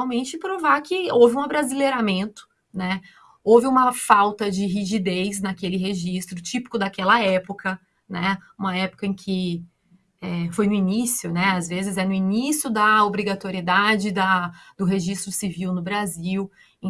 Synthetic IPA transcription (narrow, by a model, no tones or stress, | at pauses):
awmẽt͡ʃɪpɾovakɪowvɪũɐbɾazileɾamẽnt̪ʊ̥ | nɛ | owvɪũmɐfawt̪ɐd͡ʒɪɦiʒid̪ejznɐkelɪɦeʒist̪ɾʊt͡ʃipi̥kʊd̪akɛlɐɛpʊkɐ | nɛũmɐɛpʊ̥kɐẽkʰɪ | ɛfojnʊinisjʊnɛazvezɪzɛnʊinisjʊd̪ɐobɾiɡat̪oɾied̪ad͡ʒɪd̪ɐd̪ʊɦeʒist̪ɾʊsiviwnʊbɾaziw̃